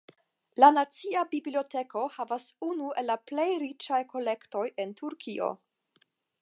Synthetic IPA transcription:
lanat͡siabiblio̞te̞ko̞havasunuʔe̞lːaple̞jɾit͡ʃajko̞le̞kto̞je̞ntʰuɾkʰio̞̰

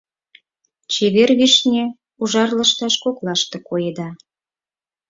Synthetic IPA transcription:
t͡ɕeβerβiʃnʲe | uʒɑrlə̆ʃt̪ɑʃkoklɑʃt̪ĕkojed̪ɑ

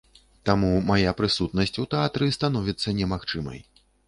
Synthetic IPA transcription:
t̪amumajapɾɨsut̪̚nɐsʲt͡sʲut̪ɛat̪ɾɨst̪an̪ɔvʲit̪sːɐnʲɛmaxt͡ʂɨmɐ̰j

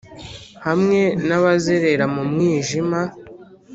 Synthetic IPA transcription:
hamŋe̞naβazeɾe̞ɾamumŋiːʒima

